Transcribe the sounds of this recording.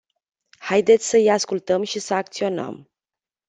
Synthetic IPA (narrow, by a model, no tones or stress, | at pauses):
hajd̪et̪sʲsəijaskult̪əmʃisəakt̪sio̞nə̰m